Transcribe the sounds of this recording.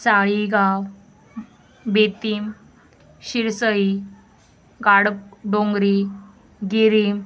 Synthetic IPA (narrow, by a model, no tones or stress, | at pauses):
saɭiɡaw | bet̪iːm | ɕiɾsəi | ɡaɽɖoŋɡɾi | ɡiɾim